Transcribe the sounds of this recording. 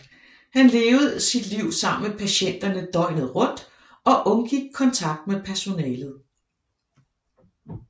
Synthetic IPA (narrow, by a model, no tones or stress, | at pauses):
hænle̝ːʊð̩ˠsid̥liʊ̰sɑ̈m̰n̩mepʰæɕen̰d̥ɐnəd̥ɒ̽ɪnð̞̩ˠʁɔ̽d̥ | ɒ̽ʔɔ̽nɡ̥iɡ̥̚kʰɒ̽nt͡sʰɑ̈ɡ̥̚d̥̚mepʰæɐso̝nɛːlð̩ˠ